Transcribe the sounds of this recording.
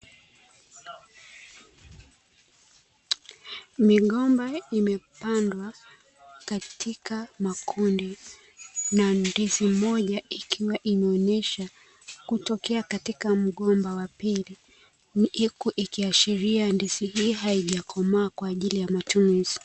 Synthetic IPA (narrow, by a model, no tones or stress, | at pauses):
miɠɔmbaimɛpandwa | katʰikamakʰundi | nandizimɔʄaikʰiwaʔimɛɔnɛʃa | kutɔkɛakatikam̩ɠɔmbawapili | ikuʔikiaʃiɾiandiziɦiːɦaiʄakʰɔmaːkwaːʄilijamatunuz̥i